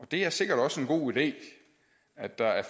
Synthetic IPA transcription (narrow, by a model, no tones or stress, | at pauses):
ɒ̽d̥e̝æɐse̝ɡ̥ɐɾ̥ɒ̽səe̝nɡ̥o̝̰ːid̥e̝̰ː | æd̥ɑ̈æɐf